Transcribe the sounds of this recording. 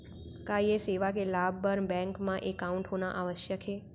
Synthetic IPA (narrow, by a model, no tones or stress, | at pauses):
kajeseʋakelabbəɾnbɛ̃ŋkmãʔekauɳʈɦonaʔaʋəʃjəkʰe